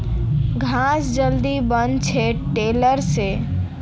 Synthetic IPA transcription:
ɡʱãsd͡ʒəld̪ibənt͡ʃʰeʈeləɾse

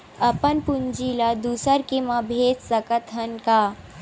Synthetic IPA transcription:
ɐpənpund͡ʒilad̪usəɾkemãbʱeːd͡ʒsəkət̪ɦənkaː

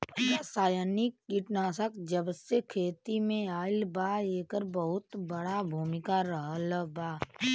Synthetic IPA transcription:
jasaːjanikːɪʈnaːsəkd͡ʒəbsekʰeːt̪imẽaːɪlbaːeːkəɾbəɦʊt̪bəɽabʱuːmɪkaɾəɦləbaː

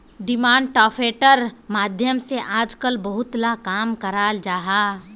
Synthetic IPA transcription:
ɖɪmaːɳɖ̚ʈɔːpʰeːʈəɾmaːd̪ʱjəmseʔaːd͡ʒkəlbəɦʊt̪lakaːmkəɾaːld͡ʒaːɦaː

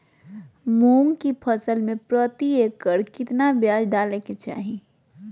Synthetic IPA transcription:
mumkipʰəsəlmẽpɾət̪iekːəɾkɪt̪nabjaːd͡ʒɖaleket͡ʃa̰ːɦi

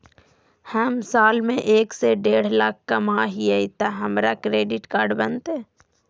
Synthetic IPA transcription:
həmsaːlmẽʔeːkseɖeːɽ̤lak̚ʰkɐmaɦiɛit̪aɦɐmɾakɾeːɖɪʈkaːɾɖbənt̪eː

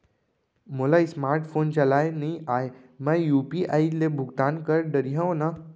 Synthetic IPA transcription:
molaismaːɾʈpʰoːnt͡ʃɐlaːjnɐĩaːemãjuːpiʔaːilebʱʊɡt̪aːnkəɾɖəɾiɦãona

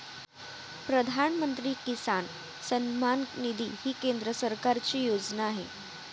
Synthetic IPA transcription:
pɾəd̪ʱanmənt̪ɾiːkisan | sənmannid̪ʱiːhiːkend̪ɾəsəɾkaɾt͡ɕiːjod͡znaːɦḛ

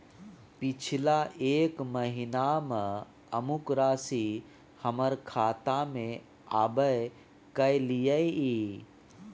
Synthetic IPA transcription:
pit͡ʃʰilaʔeːkməɦinamə | əmukɾasi | həməɾkʰaːt̪amẽ | aːbəj | kəjlijəji

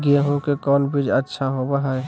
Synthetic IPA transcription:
ɡieɦõkekɔːnbid͡ʒətːʃʰaɦobaɦe

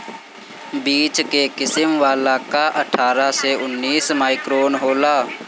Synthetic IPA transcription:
biːt͡ʃkekɪsəmʋaːlakaʔɐʈʰaːɾaseʊnːiːsmaːɪkɾoːnɦoːlaː

